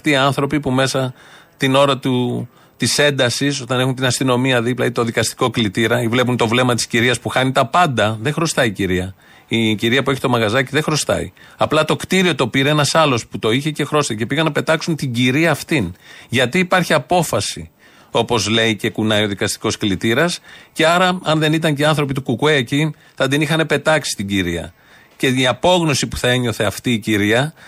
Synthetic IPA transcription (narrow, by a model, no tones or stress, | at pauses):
ɐft̪iːɐnθɾo̞pipume̞sɐt̪ino̞ɾɐt̪u | t̪ise̞nd̪ɐsiso̞t̪ɐne̞xunt̪̬inɐst̪ino̞miɐðiplɐit̪o̞ðikɐst̪i̥ko̞klit̪iɾɐivle̞p̬unt̪o̞vle̞mɐt̪i̥sciɾiɐspuxɐnit̪ɐpɐnd̪ɐðe̞xɾo̞st̪ɐiciɾiɐ | iciɾiɐpue̞çi̥t̪omɐɣɐzɐciðe̞xɾo̞st̪ɐ̰ḭ | ɐplɐt̪o̞kt̪iɾio̞t̪o̞piɾeenɐsɐlo̞sput̪o̞içe̞ce̞xɾo̞st̪ɐce̞piɣɐnɐpe̞t̪ɐksunt̪iɲɟiɾiɐːft̪inʝɐt̪iːpɐɾçiɐpo̞fɐsi | o̞po̞zle̞ice̞kunɐjo̞ðikɐst̪i̥ko̞sklit̪iɾɐsce̞ɐɾɐɐnðe̞nit̪̬ɐɲceiɐnθɾo̞pit̪ukukueːci | θɐd̪inixɐne̞pe̞t̪ɐksi̥st̪iɲɟiɾiɐ̰ | ce̞iɐpo̞ɣno̞sipu̥θɐe̞ɲo̞θe̞ɐft̪iːciɾiɐ